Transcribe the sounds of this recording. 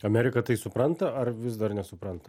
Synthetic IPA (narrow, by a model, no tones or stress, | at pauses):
ɐmʲæːɾʲɪkɐt̪ɐɪsʊpɾɐnt̪ɐɐrʋʲɪsd̪ɐrnʲɛsʊpɾɐnt̪ɐ